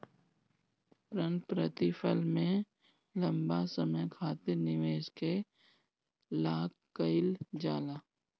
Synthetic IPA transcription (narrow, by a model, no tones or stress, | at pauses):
pɾə̃npɾət̪ɪfʰəlmẽ | lɐ̃mbasəməjkʰaːt̪ɪɾnɪʋeːʃke | laːkːəɪld͡ʒaːlaː